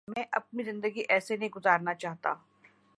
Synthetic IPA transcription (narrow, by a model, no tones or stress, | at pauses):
mɛ̃ːʔɐ̰p̚nizɪ̃nd̪əɡiʔɛːsenɐɦĩɡʊzaːɾnat͡ʃaːɦt̪a̰